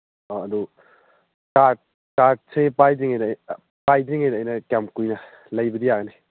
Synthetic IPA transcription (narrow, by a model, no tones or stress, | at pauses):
ɔɐdu | kat̚ | kat̚sepajdiŋajn | pajdiŋajdɐːjnɐkjamkujnɐ | lɐjbɐdijaɡni